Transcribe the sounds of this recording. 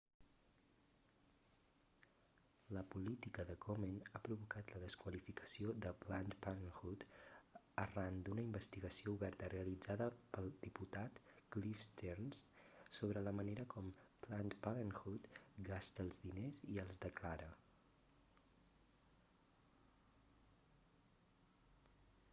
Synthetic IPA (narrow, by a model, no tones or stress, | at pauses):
ləpulit̪ikəðəkʰɔmenapɾuβukat̪ləðəskwəlifikə̥siod̪əplant̪palenxut̪ | ərand̪unəimbəst̪iɣəsiouβɛɾt̪əreəlid͡zaðəpəlˠd̪iput̪at̪klifst̪ernssoβ̞ɾələməneɾəkʰɔmplant̪palənxut̪ɡast̪əːlˠzðineziəlˠzd̪əklaɾə